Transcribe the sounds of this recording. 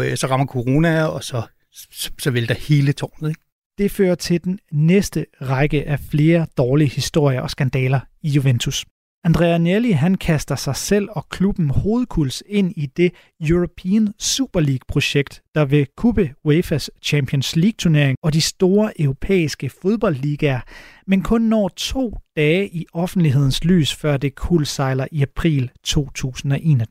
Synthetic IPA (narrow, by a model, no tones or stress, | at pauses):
sɒ̽ʁɑ̈mɐkʰo̝ʁo̝ːnæɒ̽sɒ̽ | sɒ̽ʋeld̥ɑhe̝ːlət͡sʰɒ̰ːnð̩ˠeɡ̥ | d̥e̝fø̰ːɐt͡sʰe̝ld̥enːesd̥əʁɑɡ̥əʔæfle̝ːɐd̥ɒːliəhisd̥o̝ɐ̰ɪjɐʔɒ̽sɡ̥ænd̥ɛːlɐijuʋent͡sʰus | ænd̥ʁɛ̰æneliɦænkʰæsd̥ɐsɑ̈ɪsel̰ɒ̽kʰlub̥n̩ho̝ːð̞̩ˠkʰulse̝n̰id̥e̝ | juʁopʰḭːnsuːb̥ɐliːɡ̥̚pʰʁo̝ɕeɡ̥̚d̥ːɑ̈ʋe̝kʰub̥əwefæst͡ɕʰæmpʰiɔnsliːɡ̥̚t͡sʰuɐne̝ɐ̰e̝ŋɒ̽disd̥o̝ːɐʔœʊʁo̝pʰḛːisɡ̥əfoð̞ˠb̥ɒ̽l̰d̥liːɡ̥æɐmenkʰɔ̽nːɒ̰ːt͡sʰo̝̰ːd̥ɛːʔiɒ̽fn̩d̥liɦe̝ð̰ˠn̩sly̰ːsfɶɐ̰d̥e̝kʰulsɑ̈ɪlɐʔiæpʰʁḭːlt͡sʰo̝̰ːt͡sʰṵːsn̩ɒ̽ʔe̝̰ːn